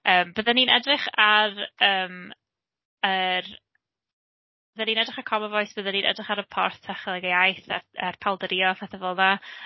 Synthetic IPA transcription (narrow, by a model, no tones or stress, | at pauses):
əːmb̥əðaninɛdrɪχarəːm | ər | b̥əðaniːnɛdrɪχakʰɔmɔvɔjsb̥əðaniːnʔɛ̰drɪχaɾəpʰɔrθtʰaχəlˠɛɡejajθaarpʰalˠdəɾiɔfaθəvəlˠða